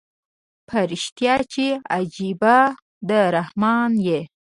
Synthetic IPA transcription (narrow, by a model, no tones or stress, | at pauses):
pʰaɾiʃt̪jɑt͡ʃea̰d͡ʒiba | d̪əɾahmɑnje